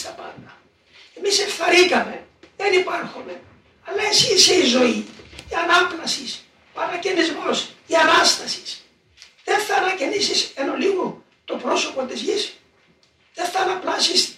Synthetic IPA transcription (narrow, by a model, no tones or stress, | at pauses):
st̪ɐpɐ̰nd̪ɐ | e̞misefθɐɾikɐme̞ | ðenipɐɾxume̞ | ɐlːɐesiseizo̞iiɐnɐplɐsis | oɐnɐcenizmo̞siɐnɐst̪ɐsi̥s | ðenfθɐnɐcenisiseno̞liɣu | t̪o̞pɾo̞so̞po̞t̪izʝis | ðeθɐnɐplɐsis